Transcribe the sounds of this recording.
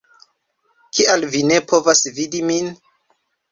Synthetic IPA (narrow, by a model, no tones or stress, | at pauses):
kʰialvine̞pʰo̞vasvidimin